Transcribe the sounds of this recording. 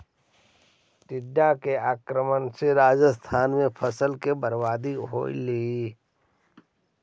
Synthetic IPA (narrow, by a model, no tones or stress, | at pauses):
t̪ɪɖːakeaːkɾəmənseɾaːd͡ʒəst̪ʰaːnmẽpʰəsəlkebəɾbaːd̪iɦo̰ːḭlii